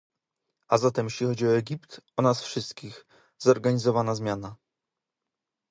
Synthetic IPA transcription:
azat̪ɛmjeɕlʲixɔd͡ʑiɔɛɡʲipt̪ɔnasfʂɘst̪kʲix | zɔɾɡaɲizɔvanazmʲjana

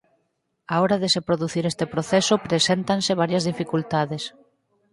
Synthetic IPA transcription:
aɔɾaðesepɾoðuθiɾest̪epɾoθesʊpɾesent̪ansɪβ̞aɾjɐzðifikult̪aðes

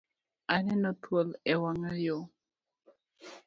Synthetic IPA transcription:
anɛnɔt̪wolɛwaŋaɾjo

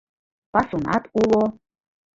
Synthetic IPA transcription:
pasuna̰t̪ulo

